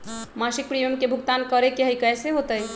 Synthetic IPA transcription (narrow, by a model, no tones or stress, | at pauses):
masik̚pɾijomkebʱuɡt̪ankəɾekeɦəjkəjseɦot̪əj